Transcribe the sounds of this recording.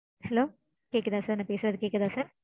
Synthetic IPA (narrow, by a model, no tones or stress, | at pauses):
hɛloː | keːkːɐðãːsaːɾnɐ̃ːpeːsɯɾɐðɯkeːkːɐðãːsaːɾ